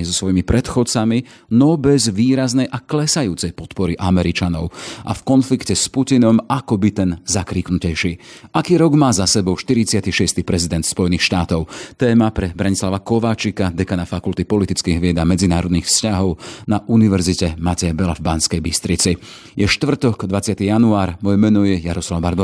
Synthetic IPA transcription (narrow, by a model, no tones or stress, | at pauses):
zɔsʋɔjimipɾɛt̪xɔt͡sami | nɔbɛzʋiːɾaznɛjʔaklɛsajuːt͡sɛjpɔt̪pɔɾiʔamɛɾit͡ʃanɔʊʔa̰fkɔnflikcɛspucinɔmakɔbit̪ɛnzakɾiːknucɛjʃiːʔakiːɾɔɡmaːzasɛbɔʊʃt̪iɾit͡sɪat̪iʃɪɛst̪iːpɾɛzid̪ɛnt̪spɔjɛniːxʃt̪aːt̪ɔʊt̪ɛːmapɾɛbɾaɲislaʋakɔʋaːt͡ʃikad̪ɛkanafakult̪ipɔlit̪it͡skiːɣʋɪɛd̪amɛd͡zinaːɾɔd̪niːxfscaɦɔʊnaʔuniʋɛɾzicɛmacɛjabɛlavbanskɛjbist̪ɾit͡si | jɛʃt̪ʋr̩t̪ɔɡd̪ʋat͡sɪat̪ijanuaːɾmɔjɛmɛnɔjɛjaɾɔslaʊbaɾb̪ɔ